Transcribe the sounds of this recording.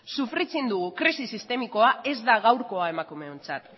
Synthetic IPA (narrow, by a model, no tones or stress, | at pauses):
sufɾit͡sind̪uɣukɾisisist̪e̞miko̞ae̞zd̪aɣawɾko̞ae̞makume̞ont͡sat̪